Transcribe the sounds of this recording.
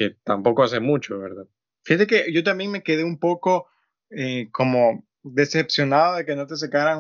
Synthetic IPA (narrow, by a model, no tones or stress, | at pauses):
ke̞t̪ampo̞koas̬e̞mut͡ʃoβeɾðað | fixat̪e̞keʝo̞t̪ambje̞ŋme̞ke̞ðe̞umpo̞ko̞ | ekʰo̞mo̞ | ðe̞se̞psjo̞naðoðe̞ke̞no̞t̪e̞s̬akaɾaŋ